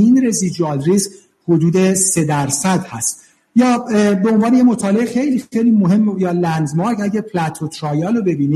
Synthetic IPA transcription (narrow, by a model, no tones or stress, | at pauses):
inɾezid͡ʒuɑlɾis | hod̪uːd̪e̞se̞d̪æɾsæd̪hæst̪ | jɒːbeonvɒːnejemot̪ʰɒːleexejliːejliːmoɦe̞mːjɒːlænd̪mɒːɾkæɟæpʰlæt̪ʰot̪ʰɾɒːjɑːlobe̞biːniː